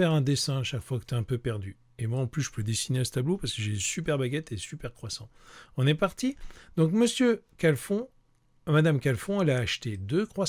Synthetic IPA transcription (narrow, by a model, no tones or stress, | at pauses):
ɛʁɛ̃d̪esɛ̃aʃakfwakə̥t̪yɛ̃pøpɛʁd̪y | emwaɑ̃plysʒə̥pʰød̪esineasə̥t̪ablopaʁskəʒesypɛʁbaɡʲɛt̪esypɛʁkχwasɑ̰̃ɔ̃nɛpaʁt̪id̪̥ɔ̃k̬məsjøkalfɔ̃ | mad̪amkalfɔ̃ɛlaːʃt̪ed̪økχwa